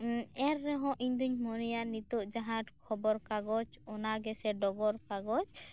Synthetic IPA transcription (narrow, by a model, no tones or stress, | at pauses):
ɛɾːɛɦɔ̃ʔiɲd̪uɲmɔnijanit̪uʔd͡ʒaɦãʈkʰɔbɔɾkaɡɔd͡ʒɔnaɡɛsɛɖɔɡɔɾkaɡɔd͡ʒ